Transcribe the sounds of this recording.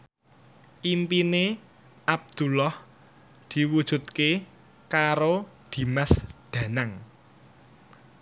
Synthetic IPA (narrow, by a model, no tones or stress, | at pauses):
ʔimpine | ʔab̚d̪̥ulɔh | d̪̥i̤wud̥ʒ̥ṳt̪̚ke | kaɾod̪̥i̤masɖ̪̥ä̤naŋ